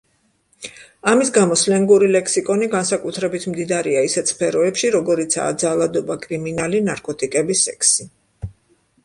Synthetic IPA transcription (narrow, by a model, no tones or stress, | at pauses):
amisɡamɔslɛŋɡuɾilɛkʰsikʼɔniɡansakʼut̪ʰɾɛbit̪ʰmd̪id̪aɾiaisɛt̪ʰspʰɛɾɔɛpʃiɾɔɡɔɾit̪sʰa̰ːd̪zalˠad̪ɔbakʼɾiminalinaɾkʼɔt̪ʼikʼɛbisɛkʰsi